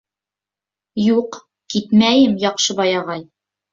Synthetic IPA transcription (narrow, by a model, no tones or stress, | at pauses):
juq | kit̪mæjɘmjɒqʃɤbɑjɑʁɑj